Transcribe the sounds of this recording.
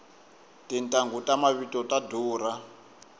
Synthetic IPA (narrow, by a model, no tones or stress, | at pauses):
tintʼaŋɡutʼamaβitʼɔtʼaduːɾa